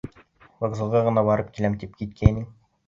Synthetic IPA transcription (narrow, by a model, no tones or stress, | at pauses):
vŏɡzɤ̆lˠʁɑʁɤ̆nɑbɑɾɤp̚kilæmt̪ip̚kit̪̚kʰæniŋ